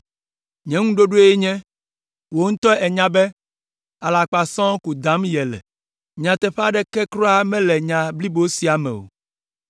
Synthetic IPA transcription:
ɲɛ̃˦ŋũ˦ɖo˦ɖo˦e˦ɲɛ̃˦ | wo˦ŋ̩̃˦t̪ɔ˦ɛ˨ɲã˦bɛ˦ | a˨la˨k͡pa˨sɔ̃˦ku˨d̪a˨˦mjɛ˨lɛ̰˨ | ɲã˨t̪ɛ˨ɸa˦ɖɛ˦kɛ˦kɾɔ˦a˦mɛ̃˦lɛ˨ɲã˨bli˦bo˦si˨˦a˨mɛ̰˨o̰˨

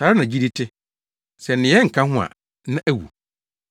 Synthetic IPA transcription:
saː˨ɾɪ˦nã˨d͡ʑi˦di˦tʰɪ˦ | sɛ˨nɪ̃˨jɛ˦ŋ̩˨kʰã˦ɦʊ̃˦ã̰˨ | nã˦ʔæ˦wṵ˨

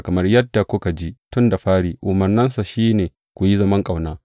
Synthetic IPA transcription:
kɐ˨mɐ˦rjɐ˦dːa˨kʷʊ˦ka˨d͡ʒi˦tʊ˦nda˨ɸaː˦ɽiː˨ʔʊ˨mɐ˨rnɐ˦nsa˨ʃiː˦neː˨ | kʷu˨ji˦zɐ˦mɐ˦ŋkʼa˨wnaː˦

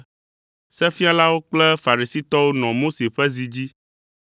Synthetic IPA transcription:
sɛ˦fi˦a˦la˦wo˦k͡plɛ˦fa˨ɾi˨si˦t̪ɔ˦wo˦nɔ̃˨mo˦se˨ɸɛ˦zi˨d͡ʑi˦

